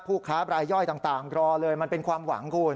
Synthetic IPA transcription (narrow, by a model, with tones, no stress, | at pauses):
pʰuː˥˩kʰaː˦˥bɾaː˧jːɔ˥˩jt̪aː˨˩ŋt̪aː˨˩ŋkɾɔː˧lɤː˧jma˧npe˧nkʰwaː˧mwa̰˩˦ŋkʰuː˧